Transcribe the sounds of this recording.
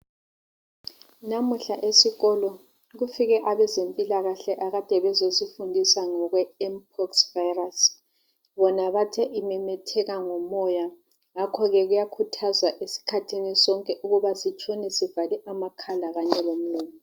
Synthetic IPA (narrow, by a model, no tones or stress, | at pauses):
namuɬaʔesiɣɔlɔ | ɣufiɣɛʔaβɛzempʼilaɣaɬɛʔaɣad̥ʱɛβɛzozifundʱisaŋɔɣwɛɛmp̚ʰɔksvajras | βɔnaβatʰɛʔimɛmɛtʰɛɣaŋɔmɔja | ŋakʰɔɣɛɣujakʰutʰazwaʔesi̥kʰatʰinisɔŋkʼɛʔuɣuβasit͡ʃʰʼɔnɛsivaliʔamakʰalaɣaɲɛlom̩lɔːni